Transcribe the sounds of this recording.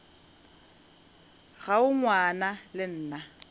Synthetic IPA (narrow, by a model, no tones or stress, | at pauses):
ɣaʊŋwanalɪn̩ːna